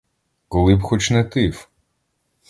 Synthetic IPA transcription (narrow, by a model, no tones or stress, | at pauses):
kɔlˠɪbxɔt͡ʃnɛt̪ɪw